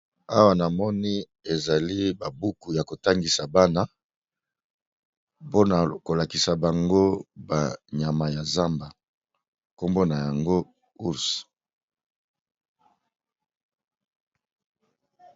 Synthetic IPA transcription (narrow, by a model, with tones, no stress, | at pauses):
a˦wa˦na˨mɔ˦ni˦ | e˨za˨li˦ba˨bu˦ku˨ja˨ko˨ta˦ŋɡi˨sa˨ba˦na˦ | po˦na˨ko˨la˨ki˨sa˨ba˨ŋɡo˦ba˨ɲa˨ma˨ja˨za˦mba˨ | ko˦mbo˦na˨ja˨ŋɡo˦ | u˦s